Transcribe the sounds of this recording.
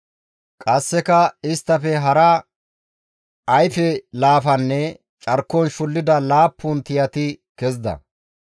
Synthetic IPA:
kʼɐsːɛkɐɪst̪ːɐfɛɦɐɾɐ | ɐjfɛlaːfɐnːɛ | t͡ʃʼɐɾkːɔnʃʊlːɪd̪ɐlaːpːʊnt̪ɪjɐt̪ɪkɛzd̪ɐ̰

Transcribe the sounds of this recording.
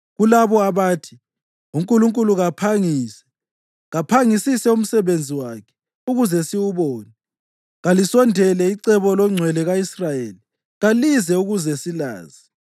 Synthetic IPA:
ɣulaβɔaβaːtʰi̥ | uŋkʼuluŋkʼuluɣapʰaŋisɛ̥ | ɣapʰaŋisisɛum̩sɛβend͡zʱiwakʰɛ̥ | uɣuzɛsiwuβɔːnɛ | ɣalisɔndʱɛlɛiǀɛβɔlɔŋ͡ǀʱwɛlɛɣaisrajeːli | ɣalizɛuɣuzɛsila̰ːzi

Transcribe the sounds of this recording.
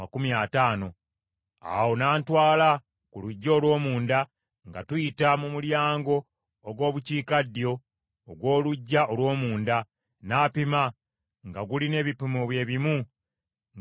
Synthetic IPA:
kumiataːno̞ | a̰wo̞naːntwaːla | kuluɟːo̞ːlwo̞ːmuːnda | ŋɡa̰twuitamumuljaːŋɡo̞ː | ɡwo̞ːβuciːkadːjo̞ː | ɡwo̞ːluɟːaʔolwo̞ːmuːnda | naːpima | ŋɡaɡuline̞ːβipumoβwe̞ːβimu

